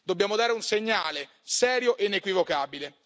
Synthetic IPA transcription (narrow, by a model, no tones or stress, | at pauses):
d̪objaːmod̪aːɾeunseɲːaːle | sɛːɾjoʔeinekwivokaːbile